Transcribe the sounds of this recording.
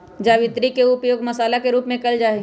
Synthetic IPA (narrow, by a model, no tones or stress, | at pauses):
d͡ʒaːʋɪt̪ɾikeʊpjoːɡmɐsaːlakeɾuːpmẽkɐld͡ʒaːe